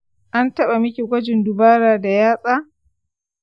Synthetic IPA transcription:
ʔa˦ntɐ˦ɓa˨mɪ˦kʲi˨ɡʷɐ˦d͡ʒɪ˨ndʊ˨baː˦ɾaː˨da˨jaː˦sʼaː˦

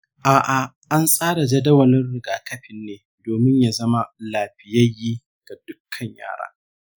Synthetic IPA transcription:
ʔaː˨ʔa˨ | ʔa˦nsʼaː˦ɽa˨d͡ʒɐ˦dɐ˦wɐ˨nɪ˦rɽɪ˨ɡaː˨kɐ˦ɸɪ˨nːeː˨ | doː˨mɪ˦ɲjaː˨zɐ˦ma˦laː˨ɸɪ˨jɐ˦jːiː˦ | ɡ̥a˨d̥ʊ˦kʰːɐ˨ɲja̰ː˦˨ɽa̰ː˦

